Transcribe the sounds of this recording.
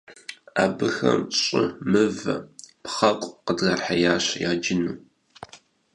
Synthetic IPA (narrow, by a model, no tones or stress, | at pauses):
aːbɨxɐ̰mɕʼɪmɨvɐpχɐkʷʼqədɣɐrħajaːɕjaːd͡ʒɪnu